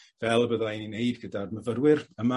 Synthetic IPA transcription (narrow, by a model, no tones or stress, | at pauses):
vɛlˠbəðaininejbɡədadməvəɾwɪrəma